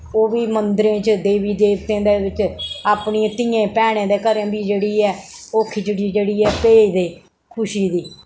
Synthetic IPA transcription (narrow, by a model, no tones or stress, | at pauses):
oːʋiːmənd̪ɾẽːt͡ʃd̪eːʋiːd̪eːʋt̪ẽːd̪eːʋɪt͡ʃaːpɳit̪ɪːẽːpɛːɽ̃ẽːd̪eːkəɾẽːbiːd͡ʒeːɽiːɛːoːkʰid͡ʒəɽiːd͡ʒeːɽiːɛːpeːid̪eː | kʰʊʃiːd̪iː